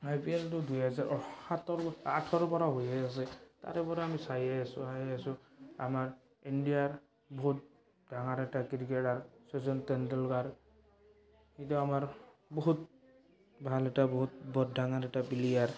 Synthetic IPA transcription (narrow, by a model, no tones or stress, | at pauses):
ajpieltʊdujɦazaɹʔɔhat̪ɔɹaʈʰɔɾɔpɔɾaɦojɛas̬ɛta̰ɾɛpɔɾɛamisajɛasʊajɛasʊa̰maɹ | indijaɹ | bɔɦut̚ | dʱaŋaɾɛʈakiɹkeɾaɹsɔzɔntɛndɔlɡaɹ | hituamaɹbɔɦut̪̚ | bʱalɛʈabɔɦut̪̚bɔddaŋaɾɛʈapiliaɹ